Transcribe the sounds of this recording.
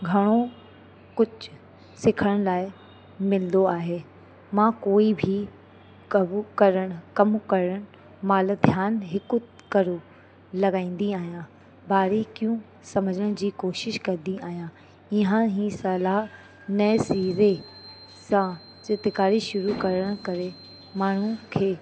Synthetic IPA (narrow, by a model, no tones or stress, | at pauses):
ɡʱɐɽ̃o | kʊd͡ʑ | sɪkʰəɽ̃laːɪ | mɪld̪oaːɦeː | mãːkoːibʱi | kɐkɐɾəɽ̃kɐmkɐɾəɽ̃ | maːld̪ʱjaːnɦɪkʊ | kɐɾo | lɐɡaːĩːn̆d̪iaːɦijã | baːɾekijũ | sɐməd͡ʑəɽ̃d͡ʑiːkoːʃɪʃkɐd̪iaːɦijã | ɪɦə̃ɦĩːsɐlaːɦ | nɐsiːɾe | sã | sɪt̪ɪkaːɾiʃʊɾukɐɾəɽ̃kɐɾe | maːɳ̤ũkʰeː